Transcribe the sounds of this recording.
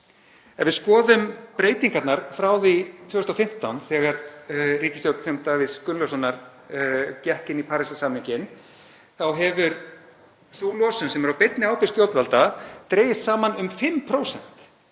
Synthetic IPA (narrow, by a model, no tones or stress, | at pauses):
ɛnvɪðskɔːðʏmpɾeːjt̪iŋkaɾt̪naɾ̥fɾaːwðit̪ʰvʏːɣʏst̪awfɪm̥t̪awnθɛːɣaɾriːcɪsjowt̪sɛmt̪avɪskʏnlɔwsanaɾ | cɛhcɪnipʰaːɾɪsasaːmɪŋcɪn | θawɦɛvʏɾ | soːlɔsʏnsɛmɛɾawpet̪nɪaːwpɪst̪jow̪t̪valt̪at̪ɾeːjɪst̪saːmanʏmfɪmːpʰɾoːwsɛn̥t̪